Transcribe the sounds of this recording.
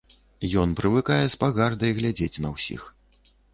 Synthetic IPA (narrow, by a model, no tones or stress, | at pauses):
jɔnpɾɨvɨkajɛspaɣard̪ɐjɣlʲad͡zʲet͡sʲnɐwsʲḭx